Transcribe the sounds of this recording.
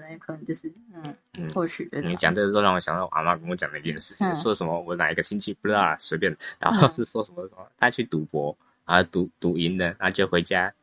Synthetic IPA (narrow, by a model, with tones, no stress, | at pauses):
ə˧˦˥kʰə˨˩nə˧˦ŋt͡ɕo˥˧ʊʂɻ̩˥˩˥n̩˥˩ɔ˥˧t͡ɕʰy˥˩i˧˦˥t͡ɕjɑ˨˩ŋt̪ə˥˩˧ʊʂɑ˥˩wɔ˨˦ɕjɑ˨˩ŋj̪ɑ˥˩ʔa̰˨˩ma˥˩kə˥ŋwɔ˧˦t͡ɕjɑ˨ŋd̪ə˧˥i˧˥t͡ɕɥɛ˥˩ʂɻ̩˥˩t͡ɕʰĩ˨ŋswɔ˥˧˩ʂə˧˥nmə˧wɔ˨˦na˨˩i˦ɡə˧t͡ɕʰi˥nt͡ɕʰi˥˩pu˧˩ʈ͡ʂ̩̪˥ɑ˥˩swe˧˥ɪp̬jɛ˥˩nə˩t̪a̰˨˩xɑ˥ʂɻ̩˥˩ʂwɔ˥ʂə˧˦mə˧˩ʂə˧˩˦m˧t̪ʰa˥t͡ɕʰy˥˩t̪u˧˥pwɔ˧˥ | a˧˥˩t̪u˨˥t̪u˨˥i˧˥nlə˧˦na˥˩t͡ɕjo˥˩ʊxwe˧˥ɪt͡ɕja˥